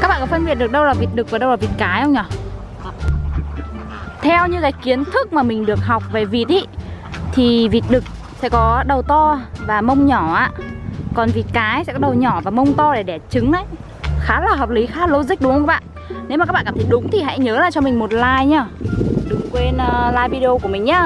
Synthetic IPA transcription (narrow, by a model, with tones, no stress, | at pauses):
ka˦˥k̚ɓa̰ː˧˨kɔ˨˦fə˧nɓi˨˩ət̚ɗk̚ɗə˧wlaː˨˩vi˨˩t̚ɗɨ˨˩k̚vaː˨˩ɗə˧wlaː˨˩vi˨˩t̚kaː˨˦jə˧wŋ͡mɲɔ˧˩ | t̪ʰɛ˧wɲɨ˧kaː˨˦jki˨˦ənt̪ʰɨ˦˥k̚maː˨˩mï˨˩ŋ̟ɗɨ˨˩ək̚ɦa˨˩wk͡p̚ve˨˩vi˨˩t̚ʔi˧˦t̪ʰi˨˩vi˨˩t̚ɗɨ˨˩k̚ | sɛ̰˧˥kɔ˨˦ɗə˨˩wt̪ɔ˧vaː˨˩mə˧wŋ͡mɲɔ˧˩ʔaː˧˨kɔ˨˩nvi˨˩t̚kaː˨˦jsɛ̰˧˥kɔ˨˦ɗə˨˩wɲɔ˧˩vaː˨˩mə˧wŋ͡mt̪ɔ˧ɗe˧˩ɗɛ˧˩t͡ɕɨ˨˦ŋʔə˨˦j | xaː˨˦laː˨˩ɦəː˨˩p̚li˨˦xaː˦˥lo˧zï̟˦˥ɗʊ˨˦ŋə˧kːa˦˥ɓa̰ː˧˨n | ne˨˦waː˨˩aː˦˥ɓːkːaː˧˩t̪ʰə˨˦jɗʊ˨˦ŋ͡mt̪ʰi˨˩ɦa̰˧˥jɲəː˨˦laː˨˩t͡ɕɔ˧mï˨˩ŋ̟mo˨˩t̚laː˧jɲaː˧˩ɗʊ˨˦ŋ͡mkwe˧nː˧laː˧jvi˧o˧ku˧˩əmï˨˩ŋ̟ɲaː˧˩